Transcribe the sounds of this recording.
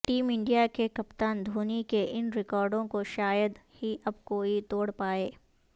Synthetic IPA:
ʈiːmɪ̃ɳɖijakekɐpt̪aːnd̪ʱuːnikeʔɪnɾɪkɔːɾɖõkoʃaːjəd̪hiʔɐb̚koːit̪oːɽpaːeː

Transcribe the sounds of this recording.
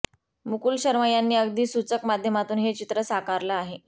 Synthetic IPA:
mukuːlɕəɾʋajanːiːəɡd̪iːsut͡səkmad̪ʱjəmat̪uːnɦet͡ɕit̪ɾəsakaɾlaaɦe

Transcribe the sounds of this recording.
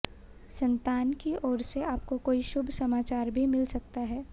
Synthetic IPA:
sɐ̃nt̪aːnkiɔːɾseaːp̚kokoːiʃʊbʱsɐmaːt͡ʃaːɾbʱimɪlsɐk̚t̪aɦɛː

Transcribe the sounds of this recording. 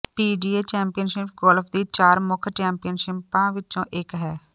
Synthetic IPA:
piːɖiːeːt͡ʃɛːmpijənʃɪp̚ɡoːlpʰd̪iːt͡ʃaːɾmʊkʰt͡ʃɛ̃ːmpijənʃɪpãːʋɪt͡ʃõːʔɪkɦɛː

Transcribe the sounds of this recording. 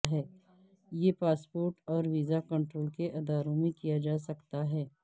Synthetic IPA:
ɦɛː | jepaːspoːɾʈɔːɾʋiːzakɐ̃ɳʈɾoːlkeʔɐd̪aːɾõmẽkijad͡ʒaːsɐkt̪aɦɛː

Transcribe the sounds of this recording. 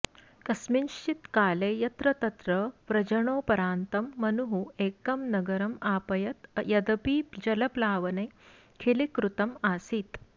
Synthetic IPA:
kɐsminʃt͡ʃit̪kaːleːjɐt̪ɾɐt̪ɐt̪ɾɐʋɾɐd͡ʑɐɳoːpɐɾaːnt̪ɐmːɐnuɦueːkɐmnɐɡɐɾɐmaːpɐjɐt̪jɐd̪ɐpiːpd͡ʒɐlɐplaːʋɐnɐ | kʰelekɾut̪ɐmaːsiːt̪

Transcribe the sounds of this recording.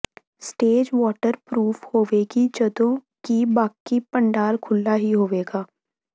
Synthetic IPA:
sʈeːd͡ʒʋɔːʈəɾpɾuːfhoːʋeɡid͡ʒəd̪õ | kibaːkipə̃ɳɖaːɾkʰʊlːaɦiɦoːʋeːɡaː

